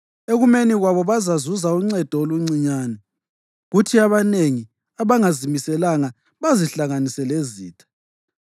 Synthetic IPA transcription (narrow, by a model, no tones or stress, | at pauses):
eɣumeniɣwaβɔβazazuzauŋ͡ǀɛd̥ʱɔoluŋ͡ǀiɲaːnɛ | ɣutʰiaβaneŋi | aβaŋazimisɛlaŋa | βaziɬaŋanisɛleziːtʰḁ